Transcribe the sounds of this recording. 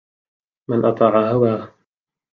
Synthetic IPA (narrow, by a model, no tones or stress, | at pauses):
manʔɑt̪ˤɑːʕahawaː